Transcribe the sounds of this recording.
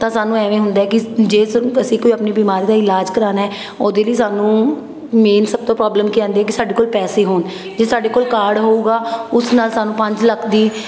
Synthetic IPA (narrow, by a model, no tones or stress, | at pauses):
t̪ãːsaːnũːɛːʋẽːɦʊ̃nd̪aːɦɛːkɪd͡ʒeːəsĩːkoːiapniːbiːmaːɾiːd̪aːɪlaːd͡ʒkəɾaːnaɦɛː | oːd̪eːləiːsaːnũː | meːnsəb̚t̪õːpɾɔːbləmkiːãːnd̪eɦɛːk̬ɪsaːɖeːkoːlpɛːseːɦoːn | d͡ʒeːsaːɖeːkoːlkaːɾɖɦoːuːɡaːʊsnaːlsaːnũːpə̃ɲd͡ʒləkʰd̪iː